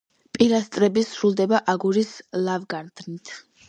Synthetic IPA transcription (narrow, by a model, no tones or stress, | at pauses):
pʼiɾast̪ʼɾɛbisɾulˠd̪ɛbaʔaɡuɾislˠavɡaɾd̪ʰnit̪ʰ